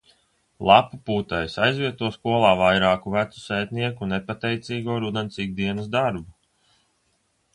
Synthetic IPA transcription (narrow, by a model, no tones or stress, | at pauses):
lˠapupuːt̪ajsajzvʲiɛt̪uɔskuɔlˠaːvajɾaːkuvæt̪su̥sɛjt̪ʲniɛkunepat̪ɛjt̪siːɡuɔɾud̪ensiɡ̚d̪iɛnəsd̪aɾbu